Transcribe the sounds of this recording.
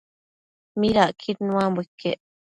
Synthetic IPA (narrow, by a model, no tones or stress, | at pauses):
miɾaʔkʰiɾnũãmbʷekʰːḛʔ